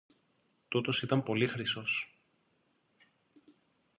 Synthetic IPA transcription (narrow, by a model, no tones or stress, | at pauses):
t̪ot̪o̞sit̪ɐmpo̞lixɾiso̞s